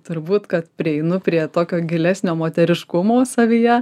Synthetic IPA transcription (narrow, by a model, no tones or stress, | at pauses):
t̪ʊɾbuːt̪kɐt̪pʲɾʲɪɛɪnʊpʲɾʲiɛt̪oːkʲoːɡʲɪlʲæsʲnʲoːmoːt̪ʲɛɾʲɪʃkʊmoːsɐʋʲijɛ